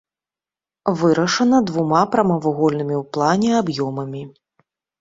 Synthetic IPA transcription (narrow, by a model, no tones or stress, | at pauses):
vɨɾɐʂɐnɐd̪vumapɾɐmɐvuɣɔlʲnɨmʲiwplˠanʲɛabjɔmɐmʲi